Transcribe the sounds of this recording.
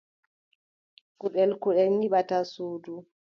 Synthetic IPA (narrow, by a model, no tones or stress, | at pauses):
kuɗɛlkuɗɛlɲiɓatasuːdu